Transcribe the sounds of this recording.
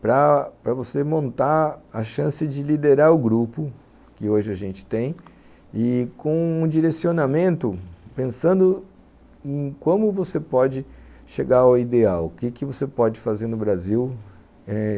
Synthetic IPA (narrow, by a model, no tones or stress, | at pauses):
pɾɐpɾɐvosemõnt̪aɐʃɐ̃sɪd͡ʒɪlid̪eɾaɾʊɡɾupʊ | kɪoʒɪaʒẽnt͡ʃɪ̥t̪ẽj̃ | ɪkõũd͡ʒiɾesionamẽnt̪ʊpẽsɐ̃nd̪ʊ | ẽj̃kwɐ̃mʊvosepɔd͡ʒɪʃeɡaɾʊid̪eawkɪkɪvosepɔd͡ʒɪfazeɾnʊbɾaziw | ɛ